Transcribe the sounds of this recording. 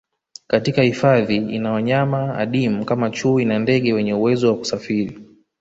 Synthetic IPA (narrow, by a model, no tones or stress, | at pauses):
katikahifaðiḭnawaɲamaa̰ɗim̩kamat͡ʃuːinandɛɠɛwɛɲɛuwɛzɔwaku̥safiɾi